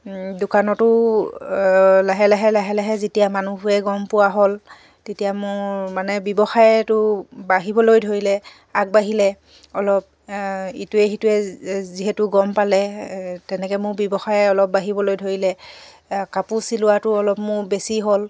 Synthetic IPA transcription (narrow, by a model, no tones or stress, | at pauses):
dʊkanɔtʊ | laɦɛlaɦɛlaɦɛlaɦɛzetijamanuɦʊɛɡɔmpʊwaɦol | tetijamʊmanɛbɔbɔxajɛtʊbaɦibɔlojdʱoɹilɛ | ak̚baɦilɛ | ɔlɔp̚ituɛxituɛziɦɛtʊɡɔmpalɛtɛnɛkɛmʊɹbjɔbɔxajɛɔlɔp̚baɦibɔlojdʱoɹilɛ | kapusilʊwatʊɔlɔpmʊɹbesiɦol